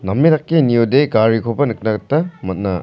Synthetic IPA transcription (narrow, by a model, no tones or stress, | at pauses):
nɐmeɾɐk̚kːinijudeɡaɾikʰopɐnɯk̚nɐɡ̚tːɐmɐt̚nɐ